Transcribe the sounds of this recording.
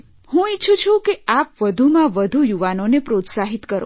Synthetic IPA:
hũitːt͡ʃʰut͡ʃʰũkeapʋəd̪ʱumãʋəd̪ʱujuʋanonepɾot̪saɦit̪kəɾo̰

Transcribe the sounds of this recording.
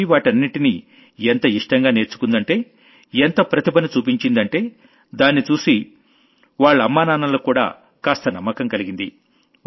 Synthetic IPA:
iʋaːʈɐnːiʈini | ent̪ɐiʂʈɐŋɡaːne̞ːɾt͡ʃːu̥kund̪ɐɳʈe̞ː | ent̪ɐpɾɐt̪ibɐnɐt͡ʃuːpiɲt͡ʃind̪ɐɳʈe̞ː | d̪aːnːit͡ʃuːsi | ʋaːɭːɐɐmːaːnaːnɐloːkuːɽa̰ː | kaːst̪ɐnɐmːɐkɐŋkɐliɡind̪i

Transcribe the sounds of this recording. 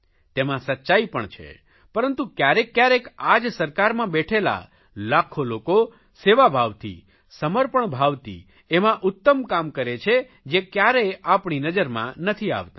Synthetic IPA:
t̪emãsətːʃajpəɳt͡ʃʰḛ | pəɾənt̪ũkjaɾekːjaɾekad͡ʒsəɾkaɾmãbɛʈʰela̰ | lakʰoloko | seʋabʱaʋt̪ʰḭ | səməɾpəɳbʱaʋt̪ḭ | emãʔʊt̪ːəmkamkəɾet͡ʃʰe | d͡ʒekjaɾeapɳinəd͡ʒəɾmã̰nət̪ʰia̰ʋt̪a

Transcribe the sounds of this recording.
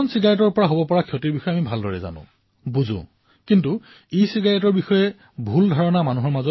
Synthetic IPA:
ɔnsiɡajɔtɔɹpɔɹaɦobɔpɔɹakʰiɦotiɹbixɔjɛamibʱaldʱɔɹɛ̰za̰nʊ̰̃ | buzʊ̰̃ | kintu | ijsiɡajɔtɔɹbixɔjɛ | bʱuldʱɔɹɔnamanuɦɔɹmazɔ

